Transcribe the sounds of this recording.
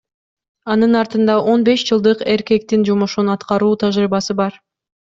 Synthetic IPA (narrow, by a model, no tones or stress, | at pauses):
ɑnɯnɑɾt̪ɯnd̪ɑʔo̞nbe̞ʃd͡ʒɯlˠd̪ɯqe̞ɾke̞k̚t̪ind͡ʒomoʃunɑt̪qɑɾuːt̪ʰɑʒɾiːβɑsɯbɑɾ